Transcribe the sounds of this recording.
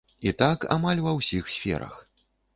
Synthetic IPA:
it̪aka̰malʲvɐwsʲixsʲfʲɛ̰ɾɐ̰x

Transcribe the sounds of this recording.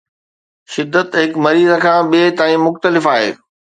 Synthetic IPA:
ʃɪd̪ːət̪ɦɪkmɐɾiːzəkʰãːɓiet̪aːĩmʊxt̪əlɪfaːɦḛː

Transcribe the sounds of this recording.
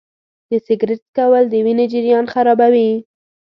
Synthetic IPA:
d̪əsɪɡɾɪʈkawəld̪əwined͡ʒɪɾjɑnxaɾɑbawi

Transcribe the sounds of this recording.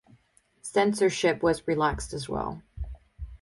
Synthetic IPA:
sɛ̃nsə˞ʃɪpwʌzɹilækstɨzwɛ̰lˠ

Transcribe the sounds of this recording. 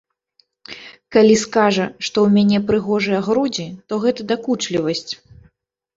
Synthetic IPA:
kalʲiskaʐɐʂt̪ɔwmʲanʲɛpɾɨɣɔʐɨjɐɣɾud͡zʲit̪ɔɣɛt̪ɐd̪akut͡ʂlʲivɐsʲt͡sʲ

